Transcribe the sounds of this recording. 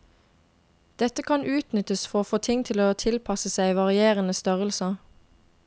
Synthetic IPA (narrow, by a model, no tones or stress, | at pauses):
d̪̥ɛt̪əkʰɑnʔʉːt̪nʏt̪əsfɔʁoːfoːt̪ʰɪŋt̪ʰɪloːt̪ʰɪlpʰɑsəsæɪʋɑʁɪeːʁənəst̪œʁəlsə